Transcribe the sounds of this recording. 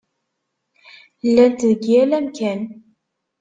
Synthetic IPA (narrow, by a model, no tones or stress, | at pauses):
lːænt̪ðɡiælæmkæn